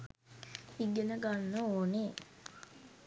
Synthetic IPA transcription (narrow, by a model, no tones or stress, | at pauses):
iɡenəɡanːəoːne